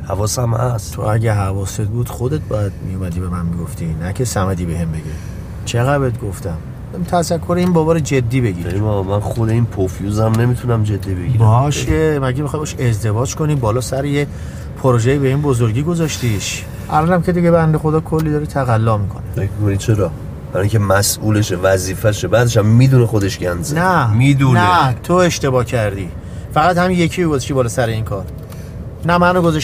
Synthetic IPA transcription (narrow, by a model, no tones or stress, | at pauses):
hævɒːsæmæst̪t̪ʰo̰æɟʲæɦævɒːset̪̚buːd̪̥xod̪e̞t̪̚bɒjæd̪̚mḭjumæd̪iːbe̞mænmiɡo̞ft̪inæcʰe̞sæmæd̪iːbe̞hembe̞ɡe | t͡ʃʰe̞ɣæbet̪ɡoft̪æm | t̪ʰæzækʰːoɾeinbɒːbɒɾed͡ʒe̞d̪ːiːbeɡiːɾemɔmænxod̪einpʰofjuzæmne̞mit̪ʰunæmd͡ʒe̞d̪ːibeɡiɾbɒʃemæɟemixɒːjbɔːʃe̞zd̪e̞vɒːd͡ʒkʰo̞nibɒːlɒːsæɾeje | pʰoɾoʒejibe̞inbo̞zoɾɡiːɡo̞zɒʃt̪iʃ | ʔælɒːnæmkʰe̞d̪iɟebænd̪e̞xo̞d̪ɒːkʰo̞lːid̪ɒːɾit̪ʰæɣælːɒːmikʰonefemikʰonid̪̚t͡ʃʰe̞ɾɒ | b̥æɾɒiŋcʰemæsʔuːleʃevæziːfæʃebæːd̪e̞ʃæmːiːd̪unexo̞d̪e̞ʃɡænd̪znæmid̪unet̪ʰoe̞ʃt̪e̞bɒːcʰæɾd̪iː | fæɣæt̪hæminje̞kʰijoɡozeʃt̪ibɒːlɒːsæɾeinkʰɒːɾ | næmænoɡozɒʃ